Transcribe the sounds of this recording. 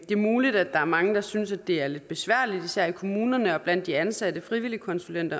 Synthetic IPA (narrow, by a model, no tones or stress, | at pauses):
d̥e̝ɐmuːlid̥æd̥ɑ̈æɐmɑ̈ŋəd̥ɑ̈synsæd̥e̝æɐle̝d̥̚b̥e̝sʋæɐ̰lid̥isæɐ̰ikʰo̝muːnɐnəɒ̽b̥læn̰d̥ːiænsæd̥əfʁiʋilikʰɒ̽nsulen̰d̥ɐ